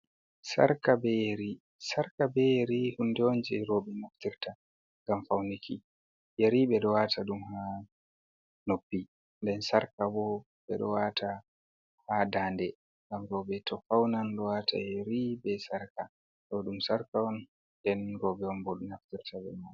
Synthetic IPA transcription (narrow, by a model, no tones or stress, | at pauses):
sa̰ɾkabɛjeɾi | saɾkabɛjeɾihundɛond͡ʒɛɾɔbɛnaftiɾta | ŋɡamfawnikʰi | jeɾiɓɛɗɔwatʰaɗumha | nopːi | ndɛnsaɾkabɔ | ɓɛɗɔ̰watʰa | hadandɛ | ŋɡamɾɔbɛtʰɔfawnanɗɔwata̰jeɾibɛsaɾka | ɗɔɗumsaɾkawɔn | dɛnɾɔbɛwɔnbɔɗunaftiɾtʰabɛ̰man